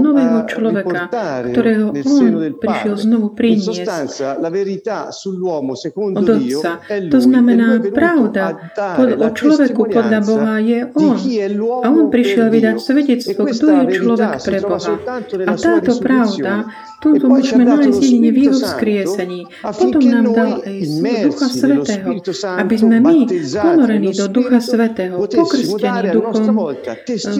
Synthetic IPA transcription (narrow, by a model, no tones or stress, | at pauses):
nɔʋɛːɦɔt͡ʃlɔʋɛkakt̪ɔɾɛːɦɔɔnpɾiʃɪɛlznɔʋupɾiɲɪɪɛsc | dɔd̪ɔt͡sat̪ɔznamɛnaːpɾaʊd̪a | pɔɔt͡ʃlɔʋɛkupɔd̪ʎabɔɦajɛʔɔnaɔnpɾiʃɪɛlʋid̪acsʋɛɟɛt͡st̪ʋɔɡd̪ɔjɛt͡ʃlɔʋɛkpɾɛbɔɦaat̪aːt̪ɔpɾaʊd̪a | t̪uːt̪ɔmuɔːʒmɛnajzd̪jɛd̪iɲɛvjɛɦɔskɾɪɛsɛɲiː | pɔt̪ɔmnaːmd̪alɛjsɔd̪uxasʋɛt̪ɛːɦɔabizmɛmipɔnɔɾɛniːd̪ɔd̪uxasʋɛt̪ɛːɦɔpɔkr̩scɛnid̪uxɔm